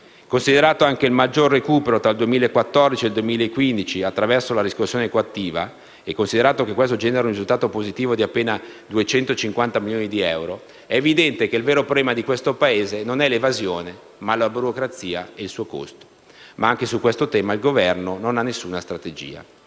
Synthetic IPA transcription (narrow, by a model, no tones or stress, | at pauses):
konsid̪eɾaːt̪oaŋkeilmad͡ʒːorːekuːpeɾot̪ɾald̪uemiːlaekwat̪ːɔrd̪it͡ʃield̪uemiːlaekːwind̪it͡ʃiat̪ːɾavɛrsolaɾiskosːjoːnekoat̪ːiːva | ekːonsid̪eɾaːt̪okekːwest̪od͡ʒɛːneɾaunrizult̪aːt̪opozit̪iːvod̪iapːeːnad̪uet͡ʃɛnt̪ot͡ʃiŋkwant̪amiljoːnid̪iɛwɾo | ɛːvid̪ɛnt̪ek̟elveːɾopɾobɛːmad̪ikwest̪opaeːzenonɛlevazjoːne | malabuɾokɾat̪sːiːaeilsuːoko̰st̪o̥ | maaŋkesukːwest̪ot̪ɛːmailɡovɛrnononanːesːuːnast̪ɾat̪ed͡ʒḭːa̰